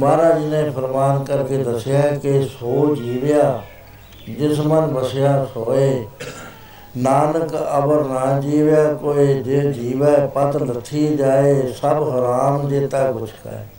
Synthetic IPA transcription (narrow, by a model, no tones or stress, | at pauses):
maːɾaːd͡ʒiːnẽːpʰəɾmaːnkəɾked̪əsɪjaːkesoːd͡ʒiːʋɪjaː | d͡ʒɪsmənbəsɪjaːsoːeː | naːnəkə̰bəɾnaːd͡ʒiːʋjaːkoːed͡ʒed͡ʒiːʋɛːpət̪lət̪ʰiːd͡ʒaːeːsəbɦəɾaːmd͡ʒeːt̪aːbʊt͡ʃʰka̰ː